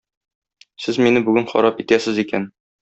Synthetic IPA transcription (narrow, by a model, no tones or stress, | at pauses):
sɘzminɘbʉɡɘnχɒ̰ɾɑpit̪æsɘzikæn